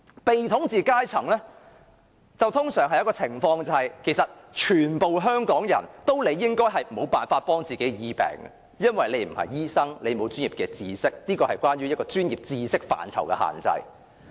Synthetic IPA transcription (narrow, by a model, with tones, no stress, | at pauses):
pe˨jt̪ʰʊ˨˥ŋt͡siː˨kaː˥jt͡sʰɐ˨˩ŋlɛː˥ | t͡sɐ˨wt̪ʰʊ˥ŋsœː˨˩ŋɦɐ˨jɐ˥kɔː˧t͡sʰɪ˨˩ŋfɔː˧ŋt͡sɐ˨˧hɐ˨jkʰe˨˩jsɐ˨t̚t͡ʃʰyː˨˩npo˨wɦœː˥ŋkɔː˨˥ŋjɐ˨˩nt̪o˥wle˨˧jːɪ˥ŋkɔː˥jɦɐ˨jm˨˩˨o˨˧wpaː˨nfaː˧t̚pɔː˥ŋt͡siː˨ke˨˥jjiː˨˥pɛ̰ː˨˩ŋ̰˨ | jɐ˥nwɐ˨jle˨˧jm̩˨˩hɐ̰˨jjiː˥sɐ˥ŋle˨˧jmo˨˧wt͡ʃyː˥njiː˨p̚kɛː˧t͡siː˧sɪ˥k̚niː˥kɔː˧hɐ˨jkʷaː˥nɥyː˥jɐ˥t̚kɔː˧t͡ʃyː˥njiː˨˩p̚t͡siː˧sɪ˥k̚fa̰ː˨nt͡sʰɐ̰˨˩wkɛ̰˧ha̰ː˨˩nt͡sɐ̰˧j